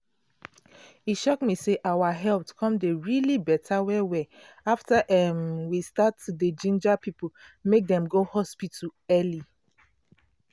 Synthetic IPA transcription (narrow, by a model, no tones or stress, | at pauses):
hiʃɔkmiseʔawaɦɛltkʰɔ̃mdeɹilibɛtʰawɛwɛ | aftaʔɛmwistatuded͡ʒĩnd͡ʒapipomek̚dɛ̃mɡohɔspitɛli